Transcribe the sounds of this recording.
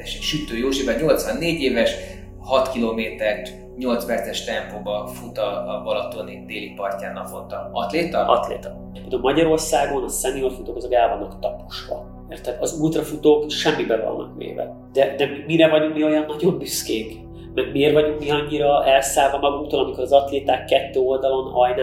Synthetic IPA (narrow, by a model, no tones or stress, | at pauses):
eʃɛʃyt̪øːjoːʒibɛɲo̞lt̪sʋɒnːeːɟeːvɛʃ | hɒt̪kiloːmeːt̪ɛrt̪ | ɲo̞lt̪zbɛrt̪ɛʃt̪ɛmpoːbɒfut̪ɒbɒlɒt̪onid̪eːlipɒrcaːnːɒkvont̪ɒɒt̪leːt̪ɒʔɒ̰t̪lḛːt̪ɒ | ped̪omɒɟɒɾo̞rsaːɡo̞nɒsɛniolfut̪oːkɒzoɡɛlvɒnːɒkt̪ɒpu̥ʃʋɒ̰ | meːrt̪ɛɒzult̪rɒfut̪oːkʃɛmːibɛvɒ̰nːɒ̰kʋḛːvɛ̰ | d̪̥ɛd̪ɛmimiɾɛvɒɟuŋkmio̞jɒnːɒɟo̞mbyskeːk | mɛɡmieːrvɒɟuŋkmiɒɲːiɾɒɛlsaːlvɒmɒɡuŋkt̪oːlɒmikoɾɒzɒt̪leːt̪aːkːɛt̪ːøːo̞ld̪ɒlo̞nɒjnɛ